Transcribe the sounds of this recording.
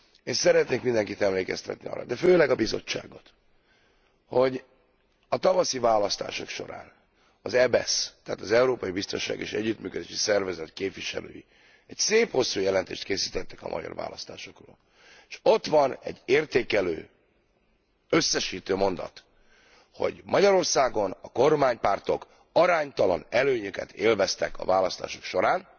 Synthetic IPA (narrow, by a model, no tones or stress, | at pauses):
eːnsɛɾɛt̪neːkmind̪ɛŋkit̪ɛmleːkɛst̪ɛt̪niɒ̰ːrːɒ̰d̪ɛføːlɛɡɒbizo̞̰t͡ʃːa̰ːɡo̞t̪ | ho̞ɟ | ɒt̪ɒvɒsivaːlɒst̪a̰ːʃo̞kʃo̞̰ɾa̰ːn | ɒzɛbɛst̪ɛaːt̪ɒzɛuɾoːpɒjibist̪o̞nʃaːɡeːʃɛɟːyt̪myːkød̪eːʃisɛrvɛzɛt̪keːpviʃɛ̰lø̰ːji | ɛcseːpho̞sːujɛlɛnt̪ḛːʃt̪̚keːsiːt̪ɛt̪ːɛ̥kɒ̰mɒ̰ɟɒ̰rva̰ːlʔɒst̪aːʃo̞kro̰ːl | ʃo̞t̪ʋɒnɛ̰ɟːeːrt̪eːkɛløː | øsːɛʃiːt̪øːmo̞nd̪ɒ̰t̪ | ho̞̰ɟmɒɟɒɾo̞rsaːɡo̞nɒko̞rmaːɲpaːrt̪ok | ɒɾaːɲt̪ɒlɒnɛløːɲøkɛ̰t̪ʰeːlvɛst̪ɛkɒ̰vaːlɒst̪a̰ːʃo̞̥kʃo̞ɾaːn